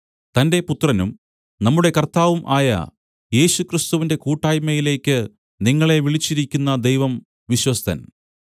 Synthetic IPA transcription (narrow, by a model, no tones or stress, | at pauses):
t̪ɐnde̞put̪rɐnum | nɐmːuɽe̞kɐrt̪aːʋumʔaːjɐ̰ | je̞ːɕukrist̪uʋinde̞kuːʈːaːjmɐjile̞ːkʲːɨ | niŋːɐɭe̞ʋiɭit͡ɕːiɾikʲːunːɐd̪ejʋɐm | ʋiɕwɐst̪ʰɐ̰n